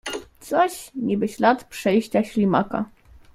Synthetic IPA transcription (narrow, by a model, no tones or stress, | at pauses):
t̪sɔɕɲibɘt͡ɕlat̪pʂɛjɕt͡ɕaɕlʲimaka̰